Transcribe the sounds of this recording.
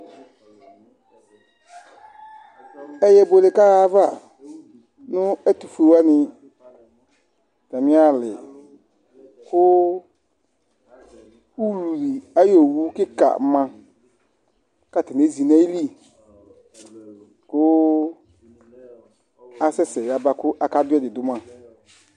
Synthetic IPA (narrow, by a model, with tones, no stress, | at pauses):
ɛ˨jɛ˨bo˨lɪ˨ka˦ɣa˦va˦˨ | nʊ̃˦ɛ˦tu˨fu˨e˨wa˦nɪ̃˨ | ta˨mɪ̃˦a˦˨lɪ̰˨ | kʊ˦ | u˦lu˨li˨a˦jo˨wu˦kɪ˦ka̰˨˦mã˨ | ka˦˨tɪ˨n˨e˦zi˨nã˦i˦li˦ | kʊ˦ | a˦sɛ˦sɛ˨a˨ba˦kʊ˦ʔa˨ka˦dʊ˦ɛ˦˨dɪ˨dʊ˦mã˨